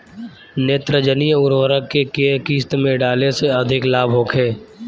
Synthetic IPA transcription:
neːt̪ɾəd͡ʒənijəʊɾoːɾəkːekekiːst̪mẽɖaːleseɐd̪ʱɪklaːbʱɦoːkʰɦeː

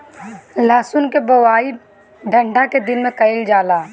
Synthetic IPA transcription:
laːsʊnkebəwaːi | ɖʱə̃ɳɖaked̪ɪnmẽkəɪld͡ʒaːlaː

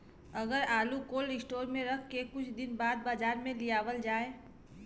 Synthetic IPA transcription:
əɡəɾaːlukoːlɪsʈoːɾmẽɾəkʰːekʊt͡ʃʰd̪ɪnbaːd̪̚baːd͡ʒaːɾmẽlijaːʋəld͡ʒaːe

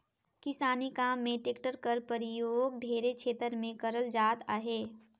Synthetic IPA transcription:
kɪsaːnikaːmːẽʈeːkʈəɾkəɾpəɾɪjoːɡ̚ɖʱeːɾekʃʰeːt̪əɾmẽkɐɾəld͡ʒaːt̪aːɦeː

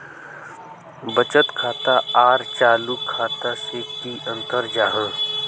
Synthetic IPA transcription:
bət͡ʃət̪kʰaːt̪aaːɾt͡ʃaːlukʰːaːt̪aseːkkiʔə̃nt̪əɾd͡ʒaːɦãː

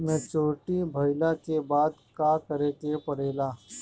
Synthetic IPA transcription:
mɛ̃t͡ʃoːʈibʱəjlakebaːd̪kakəɾeːt̪epəɽ̤eːlaː

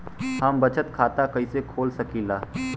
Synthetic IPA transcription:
ɦəmbət͡ʃət̪kʰaːt̪akɐisekʰoːlsɐkiːlaː

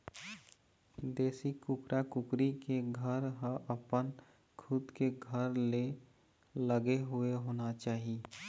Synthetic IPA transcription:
d̪eːsikʊkɾakʊkɾikeɡʱəɾɦəʔəpən | kʰʊd̪keɡʱəɾle | ləɡeɦueɦoːnat͡ʃaːɦi

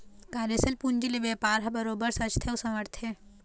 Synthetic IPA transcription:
kaːɾesɐlpund͡ʒilebeːpaːɾɦɐbɐɾoːbəɾsɐt͡ʃt̪ʰeusɐʋɐɾt̪ʰe

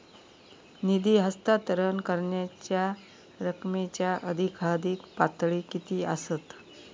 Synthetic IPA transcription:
nid̪iːɦəst̪at̪əɾənkəɾɳjat͡ɕja | ɾəkmet͡ɕjaʔəd̪ʱikʰad̪ʱiːkpat̪ɭiːkit̪iːəsət̪

